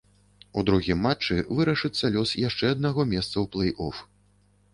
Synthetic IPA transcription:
ud̪ɾuɣʲimːat͡ʂːɨvɨɾɐʂɨt̪sːɐlʲɔsjaʂt͡ʂɛɐd̪naɣɔmʲɛst̪sɐwplˠɛjʔɔf

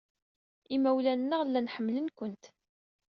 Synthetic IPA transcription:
imæwlænːəʁlːænħəmːlənkʷənt̪

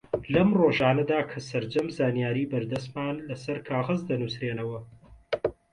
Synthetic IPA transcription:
lɐmroːʒaːnɐd̪aːkʰɐsɐɾd͡ʒɐmzaːnijaːɾiːbɐɾd̪ɐst̪maːnlɐsɐɾkʰaːɣɐzd̪ɐnusɾeːnɐwɐ

